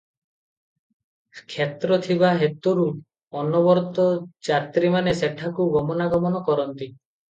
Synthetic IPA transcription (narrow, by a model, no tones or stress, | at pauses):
kʰet̪ɾɔt̪ʰiβaɦet̪ɔɾu | ɔnɔbɔɾt̪ɔd͡ʒat̪ɾimaneseʈʰakuɡɔmɔnaɡɔmɔnɔkɔɾɔnt̪i